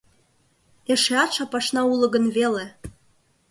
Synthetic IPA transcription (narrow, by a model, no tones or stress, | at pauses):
eʃeɑt̪ʃɑpɑʃnɑulˠɤ̆ɣə̆nvele